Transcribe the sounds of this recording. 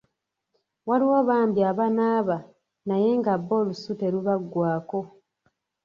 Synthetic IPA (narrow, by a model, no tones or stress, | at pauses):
waliwo̞ːβaːmbiaβanaːβa | naje̞ŋɡaβːo̞ːlusute̞ɾuβaɡːwaːko̞